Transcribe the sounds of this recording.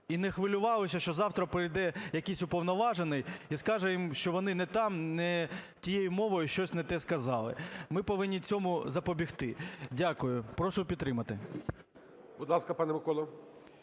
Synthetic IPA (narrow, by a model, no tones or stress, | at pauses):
inɛxʋɪlʲʊʋɑlˠɔsʲɐʃt͡ʃɔzɑwt̪ɾɐpɾɪjd̪ɛjɐkɪjsʲʊpɔʋnɔʋɑʒenɪjiskɑʒɛjimʃt͡ʃɔʋɔnɪnɛt̪ɑmnɛtʲijejʊmɔʋɔjʊʃt͡ʃɔsʲnɛt̪ɛskɐzɑlˠɪ̰mɪpɔʋɪnʲːit͡sʲɔmʊzɐpɔbʲixt̪ɪdʲakʊjʊpɾɔʃʊpʲd̪t̪ːɾɪmɐt̪ɪ | b̥ud̪lˠɑskɐpɑnɛmɪkɔlˠɐ